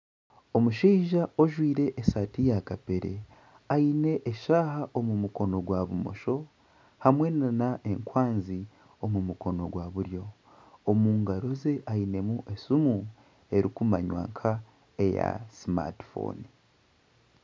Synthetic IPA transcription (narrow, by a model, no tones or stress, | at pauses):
omuʃiːʒao̞ʒwiːɾe̞ʔːsaːtijakape̞ɾe̞̰ | aine̞ʔːʃaːhaʔomumuko̞no̞ɡwaβumo̞̰ʃo̞ | hamwe̞nanaʔe̞ŋkwaːnzi | o̞mumuko̞no̞̰ɡwaβuɾjo̞ː | muːŋɡaɾo̞ze̞ʔaine̞muʔe̞sumu | e̞ɾikumaɲwa̰ːŋkʰa | e̞ja̰sima̰ti̥fo̰ːni